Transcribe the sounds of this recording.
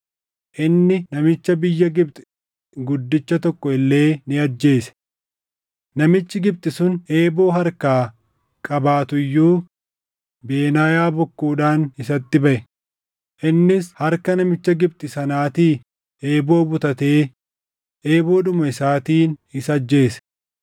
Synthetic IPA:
ʔɪnːɪnɐmɪt͡ʃːɐbɪjːɐɡɪb̚t̪ʼɪ̥ | ɡʊd̪ːɪt͡ʃːɐt̪ɔkːɔɪlːe̞ːnɪɐd͡ʒːe̞ːsɛ̥ | nɐmɪt͡ʃːɪɡɪbt̪ɪsʊne̞ːbo̞ːɦɐɾkaː | kʼɐbaːt̪ʊjːuː | be̞ːnaːjaːbɔkːuːᶑaːnɪsɐt̪ːɪbɐʔɛ | ʔɪnːɪshɐɾkɐnɐmɪt͡ʃːɐɡɪbt̪ʼɪsɐnaːt̪iː | e̞ːbo̞ːbʊt̪ɐt̪e̞ː | ʔe̞ːbo̞ːd̪ʊmɐɪsaːt̪iːnɪsɐd͡ʒːe̞ːsɛ̥

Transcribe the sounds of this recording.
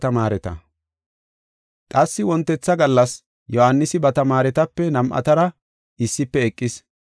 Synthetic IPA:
t̪ɐmaːɾɛt̪ɐ̰ | t̪ʼɐsːɪwɔnt̪ːɛt͡sːɐɡɐlːɐs | jɔhanːɪsɪbɐt̪ɐmaːɾɛt̪ɐpːɛnɐmʔɐ̰t̪ɐɾɐ | ɪsːɪpːɛɛkʼːɪs

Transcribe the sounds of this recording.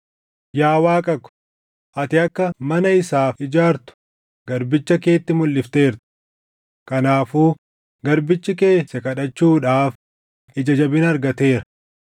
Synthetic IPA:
jaːwaːkʼɐkʊ̥ | ʔɐt̪ɪɐkːɐmɐnɐɪsaːfɪd͡ʒaːɾt̪ʊ̥ | ɡ̥ɐɾbɪt͡ʃːɐke̞ːt̪ːɪmʊlːɪft̪e̞ːɾt̪ɪ̥ | kɐnaːfuː | ɡɐɾbɪt͡ʃːɪke̞ːsːɐkɐᶑɐt͡ʃːuːᶑaːf | ɪd͡ʒɐd͡ʒɐbɪnɐɾɡɐt̪e̞ːɾɐ

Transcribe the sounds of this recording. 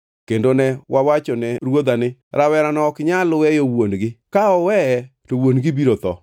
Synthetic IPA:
kendonɛwʔawat͡ʃɔnɛɾwod̪anɪɾawɛɾanɔkɪɲalʊwɛjowonɡɪkaɔwɛɛtowonɡɪbiɾot̪ɔ̰

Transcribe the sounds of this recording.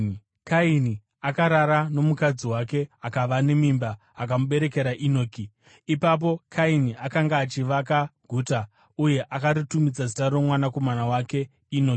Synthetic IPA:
kaini | akaɾaɾano̞mukad͡ziwake̞akaʋane̞mimbaː | k̬amuɓe̞ɾe̞ke̞ɾaʔino̞ːki | ipap̬o̞kʰainiakaŋɡaːt͡ʃiʋakaɡʱuːta | uje̞ʔakaɾutumid͡zazitaromwanako̞manawake̞ | inoki

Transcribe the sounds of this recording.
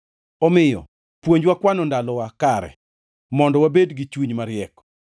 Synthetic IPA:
ɔmɪjɔ̰ | pwoɲd͡ʒwakwanɔndalɔwakaɾɛ̰ | mɔndɔwabedɡit͡ʃwuɲmaɾɪɛk

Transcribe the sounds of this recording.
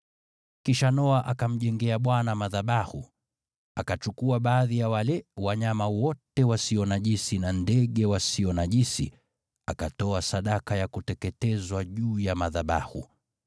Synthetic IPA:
kiʃanɔaʔakam̩ʄɛŋɡɛaɓwanamaðaɓahu | akat͡ʃukuaɓaːðijawalɛwaɲamawɔtɛwasiɔnaʄisinandɛɠɛwasiɔnaʄisḭ | akatɔasaɗakajakutɛkɛtɛzwaʄuːjamaðaɓa̰hṵ

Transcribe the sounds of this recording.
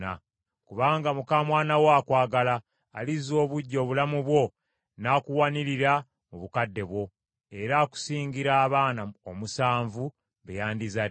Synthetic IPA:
a̰ | kuβaːŋɡamukaːmwaːnawaːkwaːɡalaː | lizo̞ːβuɟːo̞ːβulamuβwo̞ | naːkuwaniɾiɾa | muβukadːe̞βwo̞ | e̞ɾaːku̥siːɲɡiɾaːβaːnaomusaːɱvu | βejaːndiza

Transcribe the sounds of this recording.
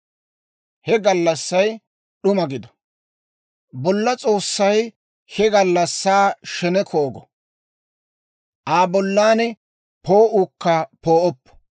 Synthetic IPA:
hɛɡɐlːɐsːɐj | ɗʊmɐɡɪd̪ɔ̥ | bɔlːɐt͡sʼo̞ːsːɐj | hɛɡɐlːɐsːaːʃɛnɛkʰoːɡɔ | ʔaːbɔlːaːnɛ | poːʔukːɐpoːʔɔpːɔ̥

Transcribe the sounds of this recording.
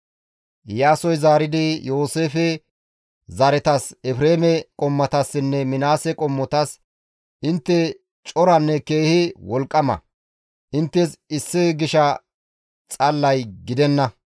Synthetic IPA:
jaːsɔjzaːɾɪd̪ɪjo̞ːseːfɛ | zɐɾɛt̪ɐsɛfɾeːmɛkʼɔmːɐt̪ɐsːɪnːɛmɪnaːsɛkʼɔmːɔt̪ɐs | ʔɪnt̪ːɛ | t͡ʃʼɔɾɐnːɛke̞ːhɪwɔlkʼːɐmɐ̰ | ʔɪnt̪ːɛsɪsːɪɡɪʃɐ | t͡sʼɐlːɐjɡɪd̪ɛnːɐ

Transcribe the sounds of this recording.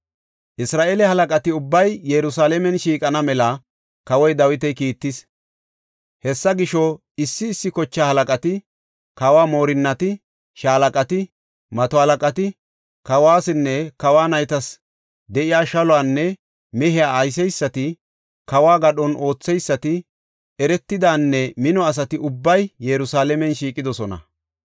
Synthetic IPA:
ʔɪsɾaːʔeːlɛhɐlɐkʼɐt̪ɪʊbːɐjjɛɾʊsaːlɛmɛnʃiːkʼɐnɐmɛlɐ | kɐwɔjd̪ɐwɪt̪ɛjkiːt̪ːɪs | hɛsːɐɡɪʃɔ | ɪsːɪːsːɪkɔt͡ʃːaːhɐlɐkʼɐt̪ɪ | kɐwaːmo̞ːɾɪnːɐt̪ɪ | ʃaːlɐkʼɐt̪ɪ | mɐt̪ɔhɐlɐkʼɐt̪ɪ | kɐwaːsɪnːɛkɐwaːnɐjt̪ɐs | d̪ɛʔɪjaːʃɐlɔaːnːɛ | mɛɦɪjaːjs̬ɛjsːɐt̪ɪ | kɐwaːɡɐɗɔnʔo̞ːt͡sːɛjsːɐt̪ɪ | ɛɾɛt̪ːɪd̪aːnːɛmɪnɔɐs̬ɐt̪ɪʔʊbːɐjjɛɾʊsaːlɛmɛnʃiːkʼɪd̪ɔsɔnɐ̰

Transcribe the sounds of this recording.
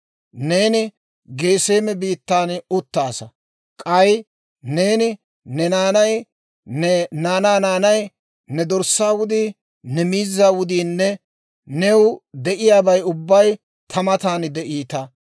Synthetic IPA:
ne̞ːnɪ | ɡe̞ːse̞ːmɛbiːt̪ːaːnʊt̪ːaːsɐ | kʼɐj | ne̞ːnɪ | nɛnaːnɐj | nnaːnaːnaːnɐj | nɛd̪ɔɾsːaːwʊd̪iː | nɛmiːzːaːwʊd̪iːnːɛ | nɛwd̪ɛʔɪjaːbɐjʊbːɐj | t̪ʰɐmɐt̪aːnd̪ɛʔiːt̪ɐ

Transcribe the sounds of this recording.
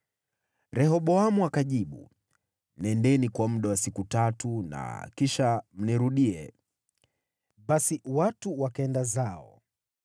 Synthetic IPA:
ɾɛhɔɓɔamuakaʄiɓṵ | nɛndɛnikwam̩ɗawasikutatuna̰kiʃam̩niɾuɗiɛ | ɓasiwatuwakaɛndazaɔ̰

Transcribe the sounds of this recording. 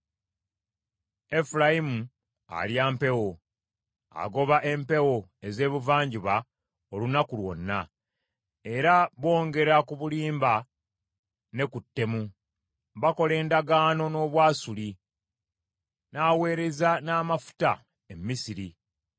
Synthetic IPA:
e̞fulajimu | a̰ljaːmpe̞wo̞ | a̰ɡo̞βaʔe̞mpe̞wo̞e̞ze̞ːβuvaːɲɟiβa | olunakulwo̞̰nːa | e̞ɾaβo̞ːŋɡe̞ɾakuβuliːmba | ne̞kutːe̞mu | βako̞le̞ːndaɡaːno̞no̞ːβwaːsuli | naːwe̞ːɾe̞zanaːmafu̥ta | emːisiɾi

